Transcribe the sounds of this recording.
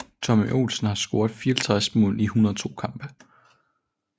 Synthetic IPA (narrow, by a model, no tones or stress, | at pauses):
t͡sʰɒmʔo̝̰lsn̩hɑ̈sɡ̥o̝ɐdˠfiːɐlt͡sʰʁasmɔ̰̽ːlnihunɐðˠt͡sʰo̝̰ːkʰɑ̈mb̥ə